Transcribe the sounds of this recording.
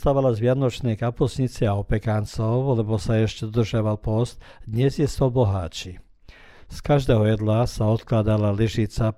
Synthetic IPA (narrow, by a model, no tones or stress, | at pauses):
t̪aʋalazʋɪanɔt͡ʃnɛːkapusɲit͡sɛaɔpɛkant͡sɔʊlɛbɔsaɛʃcɛd̪ɔd̪r̩ʒɪaʋalpɔst̪d̪ɲɛzjɛsɔbɔɦa̰ːt͡ʃi | skaʒd̪ɛːɦɔjɛd̪lasaɔt̪klad̪alaliʒit͡sa